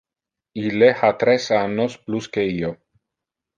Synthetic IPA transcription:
ilehat̪ɾesanospluskeio

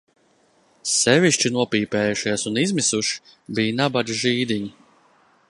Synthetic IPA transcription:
sɛviʃt͡ʃinuɔpiːpɛːjuʃiɛsunizmisuʃi̥bijnabad̪ʒiːd̪iɲi

